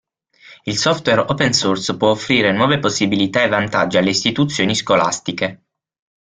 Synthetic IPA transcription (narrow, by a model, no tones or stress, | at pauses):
ilsɔft̪weɾɔpensurspwɔofːɾiːɾenwɔːveposːibilit̪aevːant̪ad͡ʒialːeist̪it̪ut̪sːjoːniskola̰st̪ike